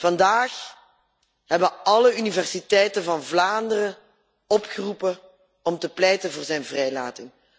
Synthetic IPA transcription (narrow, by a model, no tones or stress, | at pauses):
v̥ɑndaːx | ɦɛbəɑləynivɛrsitɛjtəvɑnvlaːndərə | ɔpxərupə | ɔmtəplɛjtənvʊːrzɛjnvrɛjlaːtɪŋ